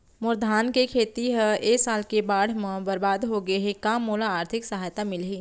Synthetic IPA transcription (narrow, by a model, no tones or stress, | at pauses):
mʊɾd̪ʱaːnkekʰeːt̪iɦəeːsaːlkebaːɽ̤mə̃bɐɾbaːd̪ɦoɡəeɦekaːmːoːlaːɾt̪ʰɪksəɦaːjt̪amɪlɦiː